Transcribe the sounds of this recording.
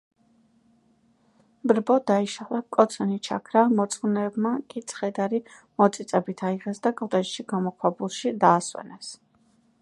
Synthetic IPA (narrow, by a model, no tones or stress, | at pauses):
bɾbɔd̪aiʃalakʼɔt̪sʰɛnit͡ʃʰa̰kʰɾamɔt̪sʼχnɛːbmakʼit̪sʰχɛd̪aɾi | mɔt̪sʼit̪ʼɛbit̪ʰaiʁɛsd̪akʼɔd̪at͡ʃʃiɡamɔkʰwabulˠʃid̪aːswɛ̰nɛs